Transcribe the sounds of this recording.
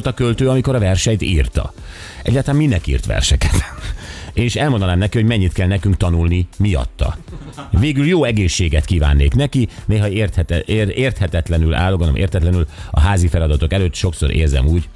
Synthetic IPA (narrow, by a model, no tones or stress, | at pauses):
lt̪ɒkølt̪øːɒmiko̞ɾɒvɛrʃɛɲt̪iːrt̪ɒ̰ | ɛ̰ɟːaːlt̪lanminːɛkḭːrt̪ʋɛ̰rʃɛkɛt̪ | eːniʃɛlmond̪ɒnaːmnɛkiho̞ɟmɛɲːit̪kɛlnɛkyŋkt̪ɒnulnimijɒ̰t̪ːɒ̰veːɡyljoːɛɡeːʃːeːɡɛt̪kiːva̰ːnːeːknɛkineːɦɒeːrt̪hɛeːrt̪hɛt̪ɛt̪lɛnyla̰ːlːoɡɒnomʔḛːrt̪ɛt̪lɛnylɒ̰ɦaːzifɛlɒd̪ɒt̪o̞kɛløːt̪ʃo̞kso̞̰ɾʔḛːrzɛ̰muːɟ